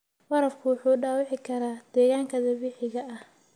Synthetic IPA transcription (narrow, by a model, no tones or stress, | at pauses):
wɐɾɐfkʰʊwʊħuːɖaːwɑʕɪkʰɐɾaːd̪̥ɛːɣaːŋkʰɐðɐwɪħɪɣɐɐh